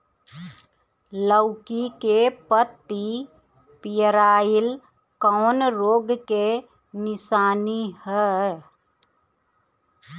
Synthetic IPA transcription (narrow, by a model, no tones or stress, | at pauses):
ləʊkikepət̪ːi | pɪjəɾaːɪl | kɔːnɾoːɡke | nɪsaːnihɛ